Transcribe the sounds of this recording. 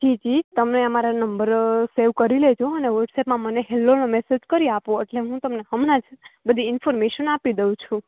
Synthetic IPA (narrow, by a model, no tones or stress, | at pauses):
d͡ʒid͡ʒit̪əmneəmaɾanəmbəɾseʋkəɾiled͡ʒõəneʋəɾʈsepmãməneɦelːonomesed͡ʒkəɾiapõeʈleɦũt̪əmneɦəmnãd͡ʒbəd̪ʱiɪnfoɾmeʃənapid̪eũt͡ʃʰũ